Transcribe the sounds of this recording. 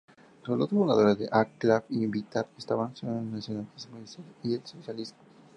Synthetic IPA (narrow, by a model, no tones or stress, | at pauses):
solot̪ofund̪aðoɾaðeʔaklabibit̪aɾest̪aβansonasjonalismuisalielsosjalizmo